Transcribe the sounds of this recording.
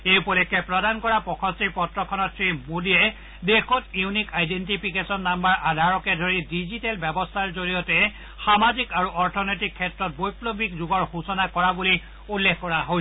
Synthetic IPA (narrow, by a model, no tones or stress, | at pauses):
ejpɔlɛkːɛpɹɔdankɔɹapɔkʰɔsipɔtɹɔkʰɔnɔtsɹimodiɛ | dexʰɔtjunikajdentipʰikesɔnːambaɹʔadʱaɹɔkɛdʱoɹidizitɛlbɛbɔstʰaɹzoɹijɔtɛ | xamazikaɹuʔɔɹtʰɔnɔjtikʰːɛtɹɔt̚bojplobikzuɡɔɹhusɔnakɔɹabuli | ulːekkɔɹaɦo